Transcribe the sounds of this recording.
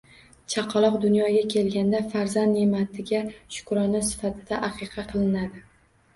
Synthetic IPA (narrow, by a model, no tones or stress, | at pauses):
t͡ʃʰɑqʰɑlˠɒqd̪ʊnjɒɡʲakʲʰe̞lɡʲand̪afaɾzand̪ːemat̪ʰɪɡʲaʃʊ̥kɾɒnɪsɪ̥fat̪ʰɪd̪aʔaqʰɨqʰɑqʰɨlˠɪnad̪ɪ